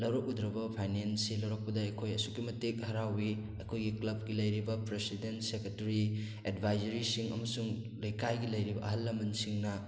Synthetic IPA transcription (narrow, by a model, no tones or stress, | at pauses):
lɐwɾɐk̚udɾɐbɐpʰajnensilɐwɾɐk̚pɐdaɐkʰojɐsukːimɐtek̚hɐɾawi | ɐkʰojɡiklɐb̚ɡilɐjɾibɐpɾesidentseketɐɾi | edbʱajzɐɾisiŋɐ̰mɐsuŋ | lɐjkajɡilɐjɾibɐ̰ɐ̰ɦɐlːɐmɐnsiŋnɐ